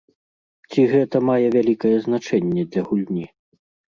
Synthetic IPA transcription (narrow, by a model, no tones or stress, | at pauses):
t͡sʲiɣɛt̪ɐmajɛvʲalʲikɐjɛznat͡ʂɛnʲːɛd̪lʲɐɣulʲnʲi